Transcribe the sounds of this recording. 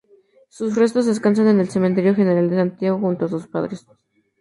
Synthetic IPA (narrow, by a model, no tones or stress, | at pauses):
susre̞s̬t̪o̞zðe̞skans̬ane̞ne̞lse̞ment̪̬e̞ɾjo̞xe̞ne̞ɾald̪e̞sant̪jaɣo̞xunt̪oasuspa̰ðɾes